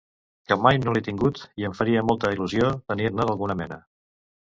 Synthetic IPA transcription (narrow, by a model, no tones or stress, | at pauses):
kəmajnolit̪iŋɡut̪iəɱfəɾiəmɔlˠt̪əiluziot̪ənirnəðəlˠɣunəmɛnə